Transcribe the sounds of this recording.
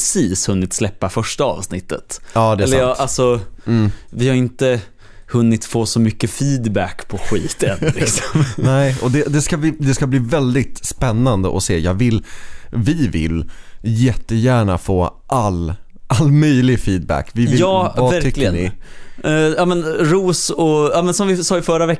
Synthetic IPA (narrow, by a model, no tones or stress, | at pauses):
siːshɵnːɪt̪slɛpːafœʂʈaɑ̰ːvsnɪt̪ːət̪ɑːd̪ɛlɛj̪alsɔː | vɪhaɾɪnt̪ə | hɵnːɪt̪foːsɔmʏkːəfiːd̪bækːpʰɔɧiːt̪ənlɪksɔmnɛːɪɔd̪ɛd̪ɛskavɪd̪ɛskabliːvɛld̪ɪt̪spɛnːand̪ə̰ʔɔsḛːjɑːɡvɪlːvɪvɪ̰ljɛt̪ːəjæːɳafoːʔal | ʔalːmœjlɪɡfiːd̪̚bæ̰kːvɪvɪjɑːvavæɾʰʏklːɪəɡənɪ | jɑːmɛnɾuːsɔɑːmɛnsɔmvɪsɑːɪfœɾavɛ